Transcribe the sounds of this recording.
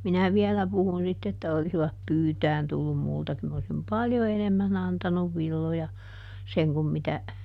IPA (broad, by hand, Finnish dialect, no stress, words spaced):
minæ ʋiɛlæ puhun sitː etːæ olisiʋɑp pyːtæːn tulːum multɑ kyl m osim pɑljo enemːæn ɑntɑnuʋ ʋilːojɑ seŋ kum mitæ